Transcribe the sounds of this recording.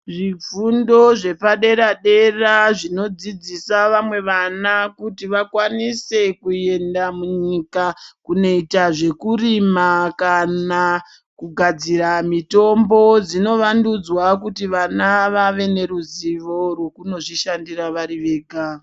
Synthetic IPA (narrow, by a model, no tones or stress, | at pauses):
ʐip͡fundo̞ʐe̞paɗe̞ɾaɗe̞raʐino̞d͡zid͡zisaʋamwe̞ʋanakutiʋakwanise̞kuje̞ndamuɲikakune̞itaʐe̞kurimakana | kuɡʱad͡ziɾamito̞mbo̞d͡zino̞ʋandud͡zwakutiʋanaʋaʋe̞ne̞ɾuziʋo̞rwe̞kuno̞ʐiʃandiraʋaɾiʋe̞ːɡʱa